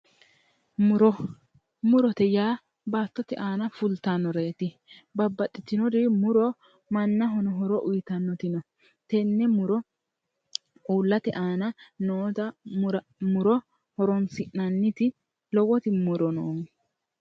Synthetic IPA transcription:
mʊɾɔ | mʊɾɔt̪ɛjaː | baːt̪ːɔt̪ɪʔaːnɐfʊlt̪anːɔɾe̞ːt̪ɪ | bɐbːɐt̪ʼːɪt̪ːɪnɔd̪ɪmʊɾɔ | mɐnːɐɦɔnɔɦɔɾɔʔʊjɪt̪ɐnːɔt̪ɪnɔ | t̪ɛnːɛmʊɾɔ | uːlːɐt̪ɪʔaːnɐnoːt̪ɐɾ | mʊɾɔ | hɔɾɔnsɪʔnɐnːɪt̪ɪ | lɔwɔt̪ɪmʊɾɔnoːŋ

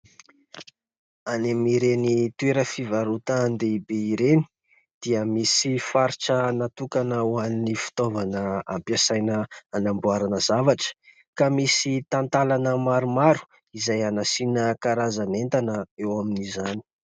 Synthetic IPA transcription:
anemiɾenit̪ueɾəfivaɾut̪and̪eibeiɾeni̥ | d̪̥iəmisifaɾiʈ͡ʂənat̪ukanəwannifi̥t̪ovanəa̰mpjasajnəanambuaɾanəzavaʈ͡ʂə̥ | kamisit̪ant̪alanəmaɾumaɾu̥ | izajanasinəkaɾazanent̪anəewaminizani̥

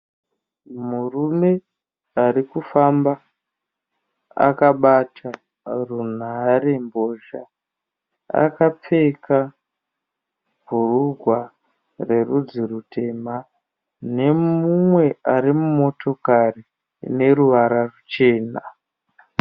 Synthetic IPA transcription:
murume̞ | arikufamba | a̰kaɓatʰa | run̤aɾe̞mbo̞ʒa̰ | a̰kap͡fe̞kʰa | b̥ʱuruɡʱwa | re̞rud͡zirutʰe̞ma | ne̞mumwe̞aɾimumo̞tʰo̞kari | ne̞ɾuʋaɾarut͡ʃe̞ːna

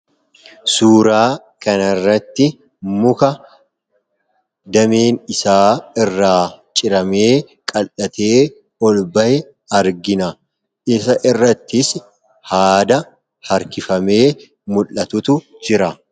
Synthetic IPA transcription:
suːɾaː | kɐnɐrːɐt̪ːɪ | mʊkɐ | d̪ɐmeːnɪsaːɪrːaːt͡ʃʼɪɾɐme̞ː | kʼɐlɐt̪ʰe̞ː | ɔlbɐʔɛ | ɐɾɡɪnɐ | ɪsɐʔɪrːɐt̪ːɪs | haːd̪ɐ | hɐɾkɪfɐme̞ː | mʊlːɐt̪ʊt̪ʊd͡ʒɪɾɐ

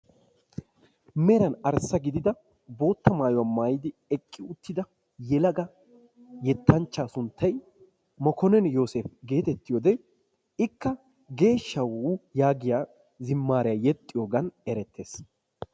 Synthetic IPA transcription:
mɛɾɐnɐɾsːɐɡɪd̪ɪd̪ɐ | bo̞ːt̪ːɐmaːjɔwamaːjɪd̪ɪɛkʼːɪʊt̪ːɪd̪ɐ | jɛlɐɡɐ | jɛt̪ʰːɐnt͡ʃːaːsʊnt̪ʰːɐj | mɔkɔnɛnjo̞ːsefɡe̞ːt̪ɛt̪ːɪjoːd̪ɛ | ɪkːɐ | ɡe̞ːʃːɐwjaːɡɪjaː | zɪmːaːɾɛjajɛt̪ʼːɪjoːɡɐnɛɾɛt̪ːeːs

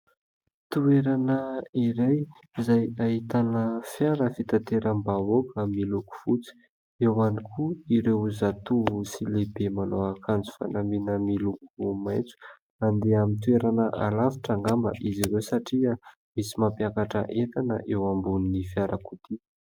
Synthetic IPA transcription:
t̪ueɾanəiɾaj | izajaɦit̪anəfjaɾəfit̪at̪eɾəmbaokamiluku̥fut͡si̥ | ewanikʰuiɾewuzat̪uvusilebemanoakʰand͡zu̥fa̰naminəmilukumajt͡su̥ | and̪eamint̪ueɾanəʔalafi̥ʈ͡ʂaŋɡambə̰ʔiziɾewsaʈ͡ʂiə | misimapjakaʈ͡ʂə̰ʔet̪anə̰ʔewambunnifjaɾʔəkut̪i

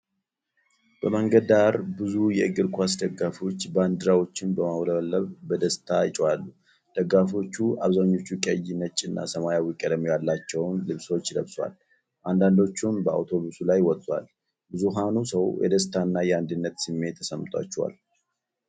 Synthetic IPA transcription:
b̥əməŋɡəd̪d̪aɾbɨzujɛɨɡɨɾkʰʷasd̪əɡafo̞t͡ʃːband̪ɨɾawo̞t͡ʃːɪnbəmawləβəlːəβbəd̪əst̪ʰat͡ʃʼwalːu | d̪̥əɡafo̞t͡ʃːua̰βzaɲːo̞t͡ʃːukʼəjɪnət͡ʃʼːɪnːa̰səmajawikʼəd̪əmejalːat͡ʃːɛwnlɨβso̞t͡ʃːləβswa̰l | ʔand̪and̪o̞t͡ʃːumbəa̰wt̪ʰo̞βusulajwɔt̪ʼːwa̰l | bɨzuɦanusəwjʔɛ̰d̪əst̪ʰanːajɛand̪ɨnːət̪sɨmːe̞t̪ʰːəsəmt̪ʼwa̰t͡ʃːɛwa̰l

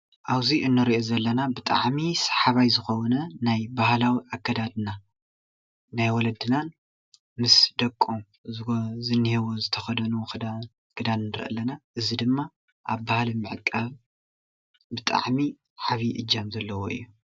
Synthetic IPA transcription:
ʔawziʔɨnːɨɾiʔozɐlːɐnabɨt̪ʼa̰ʕmisḁħaβajzɨxownɐnajbahlawiʔakʰːɐd̪ad̪na | najwɔlɐd̪ɨnan | mɨsd̪ɐkʼːom | zzɨnːihewozɨt̪ʰɐxɐd̪ɐnukʰɨd̪a | kʰɨd̪annɨɾʔɐ̰lːɐnaʔɨzid̪ɨmːa | ʔaβbahlimɨʕkʼːaβ | bɨt̪ʼa̰ʕmi | ħaβiʔɨd͡ʒːɐmzɐlːɐwoɨ̰jːu

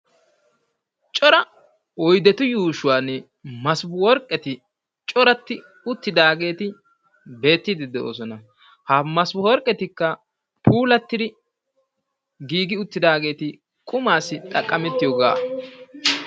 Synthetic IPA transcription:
t͡ʃʼɔɾɐ | ɔjd̪ɛt̪ʊjuːʃʊwaːnɛ | mɐsbʊwɔɾkʼːɛt̪ɪ | t͡ʃʼɔɾɐt̪ːɪ | ʊt̪ːɪd̪aːɡe̞ːt̪ɪ | be̞ːt̪ːɪd̪ɪd̪ɛo̰ːsɔnɐ | hɐmɐsbʊwɔɾkʼːɛt̪ɪkːɐ | pʰuːlɐt̪ːɪd̪ɪ | ɡiːɡɪʊt̪ːɪd̪aːɡe̞ːt̪ɪ | kʼʊmaːsɪt̪ʼɐkʼːɐmɛt̪ːɪjɔɡaː

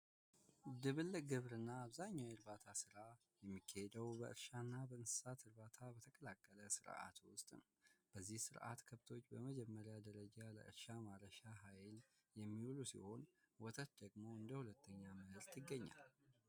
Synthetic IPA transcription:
d̪ɨβɨlːəɡɨβɾɨnːaːβzaɲːawɨɾbat̪ʰasɨɾa | jɛmːikʰːahed̪əwbəʔɨɾʃanːabəɨnsɨ̥sat̪ʰɨɾbat̪ʰabət̪ʰəkʼəlakʼːələsɨɾa̰t̪wʊst̪ʼn | b̥əzːihsɨɾʔa̰t̪kʰəβt̪ʰo̞t͡ʃːbəməd͡ʒɛmːəɾjad̪əɾəd͡ʒalə̰ʔɨ̰ɾʃamaɾəʃaɦajl | jɛmːiulusḭho̞n | wɔt̪ʰət̪d̪əɡmo̞ɨnd̪əhulət̪ʰːəɲːamɨhɨɾt̪ʰɪɡːəɲːa̰l

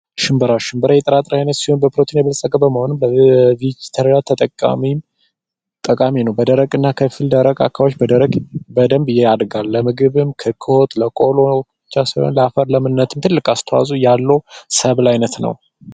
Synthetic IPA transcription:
ʃɪmbɨɾaʃɨmbɨɾajɛt̪ʼəɾat̪ʼɾajnət̪sihonbəpʰɾot̪ʰinjɛβəlsʼəɡʼəbəməhonɨmbəvid͡ʒt̪ʰəɾlat̪ʰət̪ʼəkʼːa̰mim | t̪ʼəkʼaminəwbəd̪əɾəɡʼɨnːakʰəfild̪əɾəɡa̰kʰːawot͡ʃːbəd̪əɾəɡbəd̪əmbɨjːead̪ɡalːəmɨɡɨβɨmkʰəkʰːɨho̞t̪ləkʼo̞lo̞ | t͡ʃːasajhonləafəɾləmɨnːət̪ʰɨmt̪ʰɨlːɨkʼast̪ʰəwa̰zʼujalːəwsəβlajnət̪nə̰w

